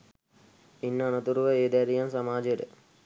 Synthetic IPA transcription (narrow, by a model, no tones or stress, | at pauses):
inːəːnət̪uɾuʋəeːd̪æɾijansamaːd͡ʒejəʈə